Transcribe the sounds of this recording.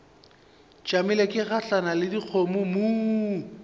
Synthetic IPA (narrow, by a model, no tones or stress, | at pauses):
t͡ʃʼamɪlekʼɪɣaɬanalɪdiq͡χʰomʊmu